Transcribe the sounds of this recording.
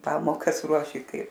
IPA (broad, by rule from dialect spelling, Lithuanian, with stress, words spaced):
ˈpɑːmoːkɐs ˈruɔʃʲɪ ˈkɐɪ